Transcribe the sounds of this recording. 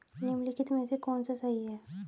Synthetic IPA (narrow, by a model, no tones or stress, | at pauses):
nimlikit̪mẽsʰekɔːnsasaɦiɦɛː